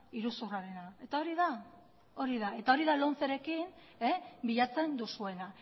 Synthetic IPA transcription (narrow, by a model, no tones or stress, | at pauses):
iɾusuraɾe̞nae̞t̪ao̞ɾiða | o̞ɾiðae̞t̪ao̞ɾiðalo̞nθeɾe̞kin | ebiʎat͡se̞nd̪usue̞na